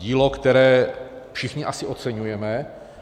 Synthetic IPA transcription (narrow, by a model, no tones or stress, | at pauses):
iːlokt̪ɛɾɛː | fʃɪxɲɪʔasɪʔot̪t͡sɛɲujɛmɛ